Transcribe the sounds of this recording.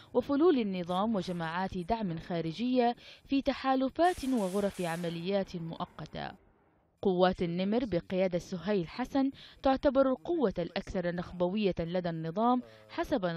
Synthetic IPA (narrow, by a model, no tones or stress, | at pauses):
wɪfʊluːlanːɨðˤɑːmwɪd͡ʒamaːʕaːt̪d̪aʕmɪnxaːɾɪd͡ʒɪjːafiːt̪aħaːlʊfaːt̪wɪɣʊɾˤɑfiʕamalɪjːaːt̪mʊʔɑqːɑt̪a̰ | qʊwːaːt̪anːɪmɾbɪqɪjaːd̪asːʊɦajlħasant̪ʊʕt̪abɑɾˤalqʊwːalʔakθɑɾˤɑnaxbawɪjːalad̪anːɨðˤɑːm | ħasaba